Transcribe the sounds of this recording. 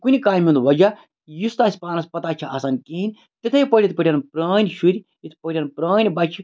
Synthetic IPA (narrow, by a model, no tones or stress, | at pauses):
kunʲikaːjmʲĩnd̪ʋɐd͡ʒa | jist̪aːsʲpaːnɐspɐt̪at͡ʃʰiɐsɐnkiːnʲ | t̪it̪ʰɐjipəɾʲit̪̚ʰpɐɾʲɐnpɾəːnʲʃuɾʲi | jit̪ʰpəɾʲɐnpɾɐːnʲbɐt͡ʃʰi